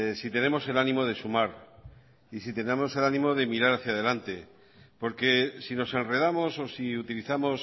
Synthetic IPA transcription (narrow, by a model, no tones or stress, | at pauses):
sit̪e̞ne̞mo̞se̞lanĩmo̞ð̞e̞sumaɾ | isit̪e̞nemo̞se̞lanĩmo̞ðe̞miɾaɾaθjað̞e̞lant̪e̞ | po̞ɾke̞sino̞se̞nre̞ð̞amo̞so̞siut̪iliθamo̞s